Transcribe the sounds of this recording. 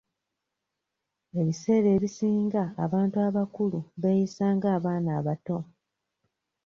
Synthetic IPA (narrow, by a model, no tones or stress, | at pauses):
e̞βise̞ːɾe̞ːβisiːŋɡaːβaːntuaβakuluβe̞jisaːŋɡaːβaːnaːβato̞